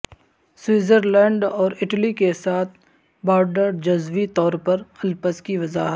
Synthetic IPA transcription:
swɪːzəɾlɛ̃ːɳɖɔːɾɪʈəlikesaːt̪̚ʰ | bɔːɾɖəɾd͡ʒɐzʋit̪ɔːɾpɐɾɐlpəskiʋɐzaːɦət̪

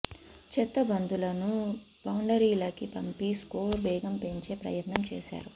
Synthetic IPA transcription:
t͡ʃɛt̪ːɐbɐnd̪ulɐnubɐwɳɖɐɾiːlɐkipɐmpiskoːɾʋɛːɡɐmpe̞ɲt͡ʃe̞ːpɾɐ̰jɐt̪nɐmt͡ʃɛ̰ːʃa̰ːɾu

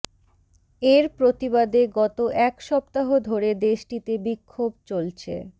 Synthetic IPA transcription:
eɾpɾot̪ibad̪eɡɔt̪oʔɛkʃɔbt̪aɦod̪ʱoɾed̪eʃʈit̪ebikʰːobt͡ɕolt͡ɕʰḛ

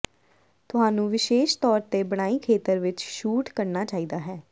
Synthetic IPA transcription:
t̪ʊɦaːnũːʋɪʃeːʃt̪ɔːɾt̪eːbəɽ̃aːiːkʰeːt̪əɾʋɪt͡ʃʃuːʈkəɾnaːt͡ʃaːiːd̪aːɦɛː

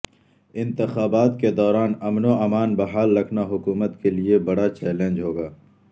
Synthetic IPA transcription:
ɪ̃nt̪ɪxaːbaːt̪ked̪ɔːɾaːnɐmnoɐmaːnbɐɦaːlːɐkʰnaɦʊkuːmət̪keliebɐɽat͡ʃɛːlẽːnd͡ʒɦoːɡaː

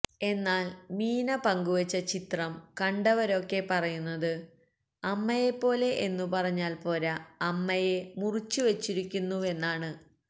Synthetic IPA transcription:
e̞nːaːlmiːnɐpɐŋɡuʋɐt͡ɕːɐt͡ɕit̪rɐmkɐɳɖɐʋɐɾo̞kːe̞pɐrɐjunːɐðɨ | ɐmːɐje̞pːo̞ːle̞ʔenːupɐrɐɲːaːlpo̞ːɾɐɐmːɐje̞murit͡ɕːuʋet͡ɕːiɾikʲːunːue̞nːaːɳɨ

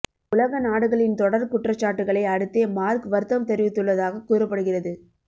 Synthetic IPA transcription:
ʊlɐɣɐnaːɽɯɣɐɭɪnt̪ɔɽɐɾkʊʈrɐt͡ʃːaːʈːɯɣɐɭɐɪɐɽɯt̪ːeːmaːɾkɯʋɐɾɯt̪ːɐmt̪ɛɾɪʋɪt̪ːɯɭːɐðaːɣɐkːuːɾɐpːɐɽɯɣɪrɐðɯ

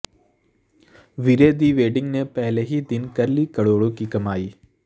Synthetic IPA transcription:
ʋiɾeːd̪iʋeːɖiŋnepeːlɐɦid̪inkɐɾlikɐɭoːɭukːikːɐmaːji

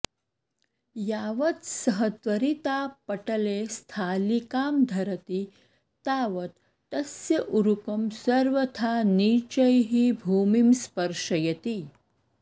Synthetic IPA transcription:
jaːʋɐt̪səɦət̪ʋɐɾit̪aːpɐʈəlest̪ʰaːlikaːmd̪ʱɐɾət̪i | t̪aːʋɐt̪ː | ɐsjɐʔuɾukɐmsɐɾʋət̪ʰaniːt͡ʃɐjɦibʱuːmimspɐɾʃɐjɐt̪i

